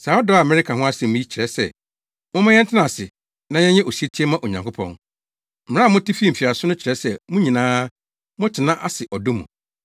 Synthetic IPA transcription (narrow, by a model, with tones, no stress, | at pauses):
sa˨˦ɔ˦dɔ˦a˨a˨mɛ˦ɾɪ˦kʰa˨ɦʊ̃˦a˦sɛ̃˨mʊ̃˦i˦t͡ɕʰɾɛ˦sɛ̰˦˨ | mʊ̃˦mã˦ɲɛ̃˦n˦tʰɪ˦nã˨sɪ˨ | nã˦jɛ̃˦ɲɛ̃˦ʔo˨si˦e˦tʰi˦ɛ˦mã˦ʔo˨ɲã˨ŋkʰʊ˦pʰɔ̰̃˦n | m̩˨˦ã˦˨mʊ̃˦ti˦fi˦m̩˨fi˨a˨sʊ˦nʊ̃˦t͡ɕʰɪ˨ɾɛ˦sɛ˦mʊ̃˦ɲĩ˨nãː˦ | mʊ̃˦tʰɪ˨nã˦ʔa˦sɪ˨ʔɔ˨do˦mṵ̃˨